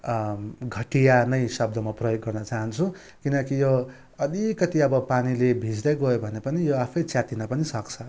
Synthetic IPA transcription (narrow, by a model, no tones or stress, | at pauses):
ɡʱʌʈijanʌjsʌb̚d̪ʌmaprʌjoɡːʌrnʌt͡saɦʌnt͡sʰũ | kinʌkijo | ʌd̪ikʌt̪iʌbʌpanilebʱid͡zd̪ʌjɡojobʱʌnepʌnijoapʰʌjt͡sjat̪inapʌnisʌkt͡sʰʌ